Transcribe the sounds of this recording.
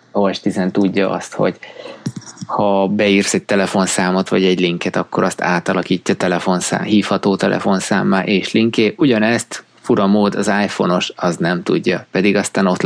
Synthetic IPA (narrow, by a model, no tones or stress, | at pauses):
oɛʃt̪izɛnt̪uɟːɒʔɒ̰st̪ho̞̰ɟ | hɒbɛiːrsɛc̚t̪ɛlɛfo̞nsaːmo̞t̪ʋɒɟɛɟliŋkɛt̪ɒkːo̞ɾɒst̪a̰ːt̪ɒlɒkiːcːɒt̪ɛlɛfo̞nsa̰ːmhiːfhɒt̪oːt̪ɛlʔɛ̰fo̞nsa̰ːmːaːʔeːʃliŋkeːʔuɟɒnɛst̪ | fuɾɒmoːd̪ɒzaːjfo̞̰no̞ʃɒznɛmt̪uɟːɒpɛd̪iɡɒst̪aːno̞t̪